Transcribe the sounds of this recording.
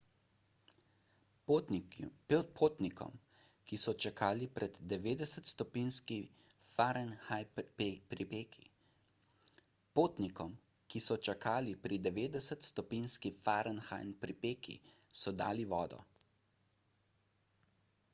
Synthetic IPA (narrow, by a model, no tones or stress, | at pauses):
pʰoːt̪nikɔ̰m | kisɔt͡ʃakʰaːlipɾʔɛd̪ːɛʋeːd̪ɛsət̪st̪ɔpiːnski | faɾənxajpɾipeki | poːt̪nikɔm | kisɔt͡ʃakʰaːlipɾid̪ɛʋeːd̪ɛsət̪st̪ɔpinskifaːɾənxa̰jnpɾipeːkʰḭsɔd̪a̰ːliʋɔːd̪ɔ̰